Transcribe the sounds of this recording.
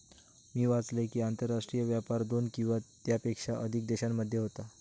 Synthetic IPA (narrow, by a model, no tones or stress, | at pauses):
miːʋat͡slekiːant̪əɾːaʂʈɾijəʋjapaɾd̪onkĩw̃ʋat̪japekʂaʔəd̪ʱik̚d̪eɕamːəd̪ʱjeɦot̪a